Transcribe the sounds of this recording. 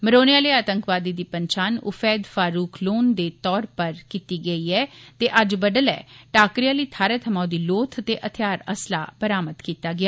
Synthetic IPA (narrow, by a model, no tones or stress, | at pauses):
məɾoːnɪjaːləːaːt̪əŋkʋaːd̪iːd̪iːpəɲt͡ʃaːnʊ̰fʰɛːd̪faːɾuːkʰloːnd̪eːt̪ɔːɾpəɾkiːt̪iːɡəiːɛːt̪eːʔəd͡ʒbəɖəlɛ̰ːʈaːkɾijaːləiːt̪ʰaːɾɛːt̪ʰəmaːd̪iːloːt̪ʰət̪eːʔət̪ʰɪjaːɾəsla̰ːpəɾaːmət̪kiːt̪aːɡɪaː